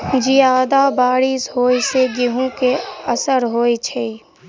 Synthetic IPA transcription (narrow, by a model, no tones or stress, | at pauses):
d͡ʒijaːd̪abaːɽishoːiseɡɪɦõkeəsəɾɦoːit͡ʃʰeː